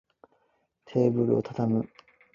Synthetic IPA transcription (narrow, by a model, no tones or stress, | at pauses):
t̪ʰe̞ːbɯ̟ɾɯ̟o̞t̪ʰat̪amɯ̟